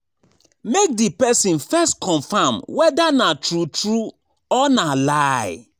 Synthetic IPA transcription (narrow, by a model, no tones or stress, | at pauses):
mek̚dipɛsĩnfɛstkʰɔ̃ɱfamwɛdanatɹutɹu | ɔnalaɪ